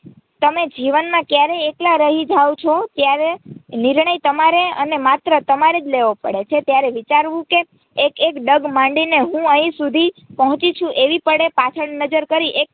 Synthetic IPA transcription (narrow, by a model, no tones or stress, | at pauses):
t̪əmed͡ʒiʋənmãkjaɾeeklaɾəɦid͡ʒawt͡ʃʰot̪jaɾeniɾɳəjt̪əmaɾeənemat̪ɾət̪əmaɾed͡ʒleʋopə̰ɽet͡ʃʰet̪jaɾeʋit͡ʃaɾʋũkeː | kekɖəɡmãɳɖineɦũəɦĩsud̪ʱipəɦɔ̃t͡ʃit͡ʃʰũʔeʋipəɽepat͡ʃʰəɽnəd͡ʒəɾkəɾiʔek̚